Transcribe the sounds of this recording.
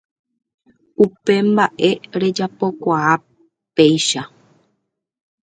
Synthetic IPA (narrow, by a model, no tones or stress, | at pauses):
upe̞mbaʔe̞ɾe̞d͡ʒapo̞kʷaa | pejʃa